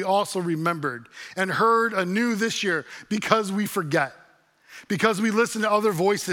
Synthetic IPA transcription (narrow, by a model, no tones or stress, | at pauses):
iɔlˠsoʊɹɨmɛ̃mbə˞ɾɨ̃nhɜ˞ɾɨnʉðɪsjɪɹb̥ɨkʰʌzwifə˞ɡɛt̚ | b̥ɨkʰʌzwilɪsn̩tɨʌðə˞vɔɪsɨ